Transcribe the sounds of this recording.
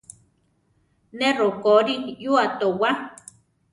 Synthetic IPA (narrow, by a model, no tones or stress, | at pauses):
nerokoɾinjuat̪owa